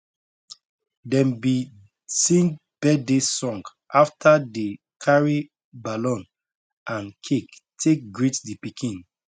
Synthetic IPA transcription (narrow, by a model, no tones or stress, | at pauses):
dɛ̃mbi | sĩn | b̥ɛdesɔ̃ŋɡ | ʔaftʰade | kʰaɹi | balɔ̃n | ʔãnkʰektʰek̚ɡɹitdipikʰĩn